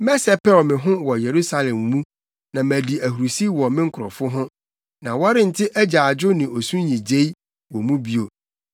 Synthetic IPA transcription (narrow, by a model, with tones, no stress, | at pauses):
mɛ˦sɛ˨pʰɛ˦lmɪ̃˨ɦʊ̃˦wɔ˨je˨ɾu˦sa˦lɛ̃˨m˨mũ˦ | nã˨mæ˨di˨æ˨hu˨ɾu˨si˦wɔ˨mɪ̃˦ŋ̩˦kʰʊ˨ɾɔ˨fʊ˦ɦʊ̃˦ | nã˨wɔ˦ɾɪ̃˦n̩˨tʰɪ˦ʔæ˦d͡ʑa˨d͡ʑʊ˦nɪ̃˨o˨sũ˦ɲĩ˨d͡ʑe˦i˦ | wɔ˨mũ˦bi˦o˨